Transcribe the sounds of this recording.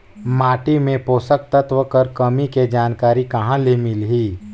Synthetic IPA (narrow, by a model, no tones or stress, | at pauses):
maːʈimẽpoːsək̚t̪ət̪ʋəkəɾkɐmiked͡ʒaːnkaːɾikɐɦãlemɪlɦiː